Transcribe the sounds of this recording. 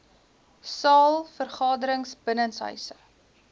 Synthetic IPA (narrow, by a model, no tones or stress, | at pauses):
sɑːlˠfərχɑːdəɾəŋsbənənsɦœ̰ɥsə